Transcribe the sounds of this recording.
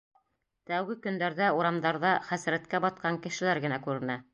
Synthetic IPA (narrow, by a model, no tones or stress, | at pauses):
t̪æwɡɘkɵ̆nd̪æɾðæuɾɑmd̪ɑɾðɑχæsɾæt̪kæbɑt̪̚qɑŋkɘ̆ʃɘ̆læɾɡɘ̆nækʉɾɘ̆næ